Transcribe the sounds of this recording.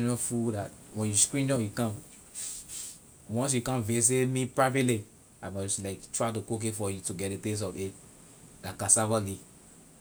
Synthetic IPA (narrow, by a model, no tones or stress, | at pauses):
nɔfudatwɛ̃njuskɹĩnd͡ʒɔ̃jukãm | wɔ̃ns̬jukãnves̬emĩpɹavile | amɔɔslaɪktɹaɪtukok̬efɔjutuɡɛt̚detes̬ɔve | dãkasavɔli